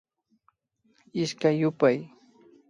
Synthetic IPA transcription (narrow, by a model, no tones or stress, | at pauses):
ɪʃkajʊpaj